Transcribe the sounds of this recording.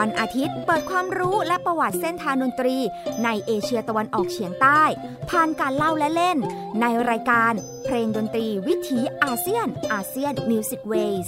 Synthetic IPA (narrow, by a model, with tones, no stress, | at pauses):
a˧nʔaː˧t̪ʰi˦˥t̪̚pɤː˨˩t̪̚kʰwaː˧mɾuː˦˥lɛ˦˥pɾa˧wa˨˩t̪̚se˥˩nt̪ʰaː˧ndo˧nt̪ɾiː˧na˧jʔeː˧t͡ɕʰi˧ɐt̪a˧wa˧nʔɔː˨˩k̚t͡ɕʰi˨˩˦əŋt̪aː˥˩j | pʰaː˧˩nkaː˧nla˥˩wlɛ˦˥le˥˩nː | a˧jɾaː˧jkaː˧n | pʰɾeː˧ŋdoː˧nt̪ɾiː˧wi˦˥t̪ʰiː˩˦˥ʔaː˧si˥˩ənʔaː˧si˥˩ənmi˧wsi˨˩k̚weː˧js